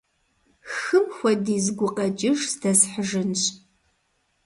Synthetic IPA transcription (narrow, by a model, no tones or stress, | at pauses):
xɨmxʷɔdiːzɡʷʊqɐd͡ʒʼɪʂsdɐsħəʒɨnɕʼ